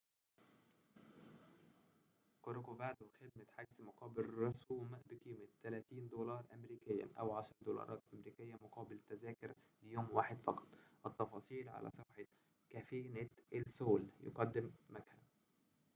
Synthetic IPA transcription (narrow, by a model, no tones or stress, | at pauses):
koɾokovaːd̪wxɪd̪̚mæħaɡzmoqɑːbɪlɾɑsuːmbɪkiːmɪt̪ːælæːt̪iːnd̪oːlɑːɾˤʔæmɾiːkɪjːæ̰ʔæwʕaʃɑɾˤd̪olɑ̰ɾˤɑːt̪ʔæmɾiːkɪjːæmʊqɑːbɪlt̪æzæːkɪɾ | lɪjoːmwaːħɪd̪fɑqɑ̥t̪ˤʔɑt̪ːɑfɑːsˤiːlʕa̰lʔæ̰sˤɑfħɑ | kæfeːnæʔælsoːljʊ̰qɑd̪ːɪmːækæːn